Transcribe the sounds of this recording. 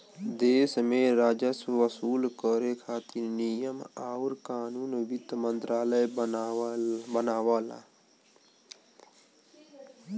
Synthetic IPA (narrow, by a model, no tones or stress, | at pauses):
d̪eːsmẽɾaːd͡ʒəswʋəsuːlkəɾekʰaːt̪iɾnijəmaʊɾkaːnuːnʋɪt̪mə̃nt̪ɾaːləj | bənaːʋaːla̰ː